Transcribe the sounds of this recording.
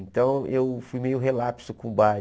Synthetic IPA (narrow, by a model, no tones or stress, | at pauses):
ẽnt̪ɐ̃w̃ewfujmejʊɦelapsʊkõba